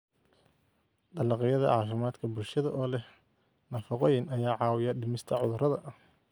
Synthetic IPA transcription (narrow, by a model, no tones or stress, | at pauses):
d̪ɐlɑqɪjɐðɐ̰ʔʕɑːfɪmaːd̪kʰɐbʊlʃɐðɐʔɔːlɛh | nɐfɐqɔjɪnɐjaːʕɑːwɪjɐɖɪmɪst̪ʰɐʕʊðʊrɐðɐʔɐh